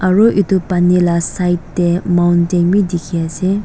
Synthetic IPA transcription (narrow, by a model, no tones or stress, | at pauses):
ʔaɹoʔitupanilasajtːemawnteŋmidikʰijase